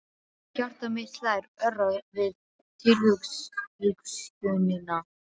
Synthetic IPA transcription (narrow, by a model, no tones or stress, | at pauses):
car̥t̪amɪht̪lajɾœraðvɪð | t̪ʰɪlhʏksʏkscʏðnɪna